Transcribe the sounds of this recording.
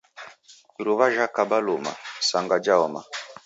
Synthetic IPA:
iɾuβaʒakabaluma̰saŋɡad͡ʒaɔma̰

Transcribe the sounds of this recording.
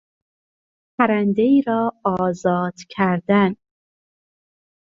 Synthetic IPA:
pʰæɾænd̪eiːɾɒːɒːzɒːd̪̥cʰæɾd̪æn

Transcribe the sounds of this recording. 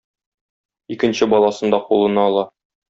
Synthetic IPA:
ikɘ̆nɕɘbɒlˠɑsɤ̆nd̪ɑqulˠɤ̆nɑːlˠɑ

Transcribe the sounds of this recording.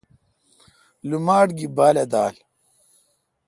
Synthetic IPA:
lumaːɖɡibaːled̪aːl

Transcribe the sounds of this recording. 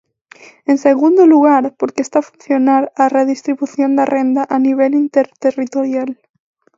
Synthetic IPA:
ẽnseɣund̪oluɣaɾpoɾkest̪afunθjonaɾareðist̪ɾiβuθjond̪arʔend̪aʔaniβelint̪eɾt̪erit̪oɾjal

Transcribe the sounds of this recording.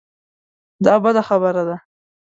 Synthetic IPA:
d̪ɑbad̪axabəɾad̪a

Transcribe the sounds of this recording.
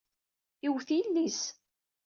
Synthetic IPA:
iwθilːis

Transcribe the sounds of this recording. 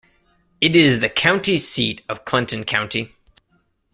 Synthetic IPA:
ɨɾɪzðɨkʰãʊ̃ntisiɾʌv̥kʰl̥ɪ̃ntɨ̃n̩kʰãʊ̃nti

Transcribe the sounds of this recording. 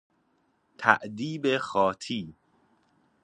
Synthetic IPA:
t̪ʰæ̰ʔd̪iːbexɒːt̪ʰiː

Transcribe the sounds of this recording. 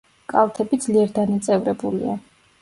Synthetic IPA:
kʼalˠt̪ʰɛbid̪zliɛɾd̪anat̪sʼɛvɾɛbulḭa̰

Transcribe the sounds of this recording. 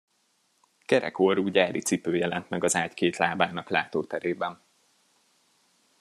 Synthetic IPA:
kɛɾɛ̰koɾuːɟaːɾit̪sipøːjɛlɛnt̪mɛɡɒzaːckeːt̪laːbaːnɒklaːt̪oːt̪ɛɾeːbɛn

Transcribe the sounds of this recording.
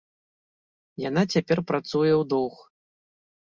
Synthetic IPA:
janat͡sʲapʲɛrpɾat̪sujɛwd̪ɔwx

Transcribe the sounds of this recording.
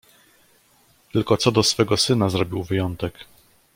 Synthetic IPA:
t̪ɘlkɔt̪sɔd̪ɔsfɛɡɔsɘnazɾɔbʲiwvɘjɔnt̪ɛk

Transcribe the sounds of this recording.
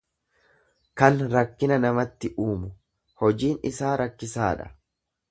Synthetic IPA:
kɐnɾɐkːɪnɐnɐmɐt̪ːɪʔuːmʊ | hɔd͡ʒiːnɪsaːɾɐkːɪsaːᶑɐ̥̰

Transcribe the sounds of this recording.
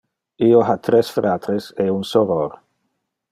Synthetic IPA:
ioɦat̪ɾesfɾat̪ɾeseunsovoɾ

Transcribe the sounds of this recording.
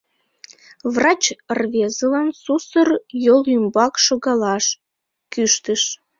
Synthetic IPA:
vrɑt͡ɕərβezəlɑnsusərjolymbɑkʃoɣɑlɑʃ | kyʃt̪əʃ

